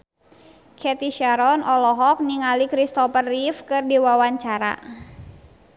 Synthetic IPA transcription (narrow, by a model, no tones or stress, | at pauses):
kʰɛt̪iʃaɾɔnʔɔlɔɦɔk̚niŋalikɾist̪ɔpərifkɨrdiwawaɲt͡ʃaɾa̰